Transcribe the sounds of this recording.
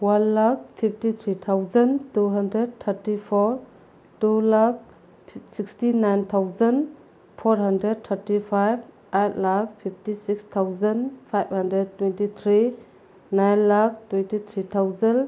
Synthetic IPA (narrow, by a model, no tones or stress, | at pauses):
wanlak̚pʰip̚ʰtit̪ʰɾit̪ʰawzɐntuɦɐndɾed̚t̪ʰɐɾtipʰoɾ | tulak̚ | sikstinajnt̪ʰawzən | pʰoɾɦɐndɾed̚t̪ʰəɾtipʰajb̚ | ejt̚lak̚pʰip̚ʰtisikstʰawzɐnpʰajb̚hɐndɾed̚twentit̪ʰɾi | najnlak̚twentit̪ʰɾit̪ʰawzɐn